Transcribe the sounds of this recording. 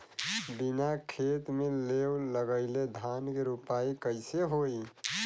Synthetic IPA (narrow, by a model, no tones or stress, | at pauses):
binakʰet̪melewləɡəɪled̪ʱankeɾupaikəɪseɦoj